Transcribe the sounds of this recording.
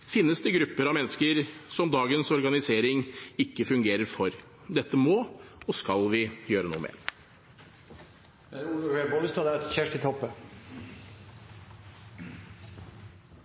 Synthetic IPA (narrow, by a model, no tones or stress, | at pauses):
fɪnːəsd̪ɛɡɾʉpːəɾɑʋmɛnːəskəɾsɔmd̪ɑːɡənsɔɾɡɑnɪseːɾɪŋɪkːəfʉŋɡeːɾəɾfɔɾ | d̪ɛt̪ːəmoːɔskɑlʋɪjøːɾənṵːəmɛ̰ | ɛʊlʊɾɛbɔlst̪ɑd̪æɾɛçæʂʈɪt̪ʰɔpːə